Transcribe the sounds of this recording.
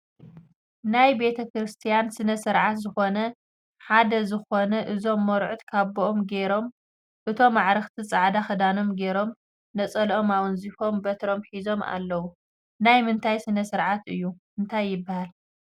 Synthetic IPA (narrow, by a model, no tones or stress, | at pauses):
najbe̞t̪ʰɐkɾɨst̪ʰijansɨnɐsɨɾʕat̪zɨxo̞nɐ | ħad̪ɐzɨxo̞nɐʔɨzo̞mːoɾʕut̪kʰaβoʔomɡe̞ɾo̞m | ʔɨt̪ʰo̞mːaʕɾɐxt̪ʰit͡sʼaʕd̪axɐd̪ano̞mɡe̞ɾo̞m | nɐt͡sʼɐlo̞mawɨnzifo̞mbɐt̪ʰɾo̞mħizo̞ma̰lːɐwu | najmɨnt̪ʰajsɨnɐsɨɾʕat̪ɨ̰jːumɨnt̪ʰajːɪbːahal